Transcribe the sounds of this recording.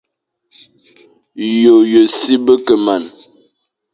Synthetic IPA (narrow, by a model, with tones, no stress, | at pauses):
jo˨jə˨si˦bə˦kə˨ma˨n